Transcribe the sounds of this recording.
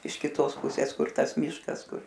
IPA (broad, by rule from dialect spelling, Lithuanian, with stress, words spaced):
ɪʃ kʲɪˈtoːs ˈpʊsʲeːs ˈkʊr ˈtɐs ˈmʲiːʃkɐs ˈkʊr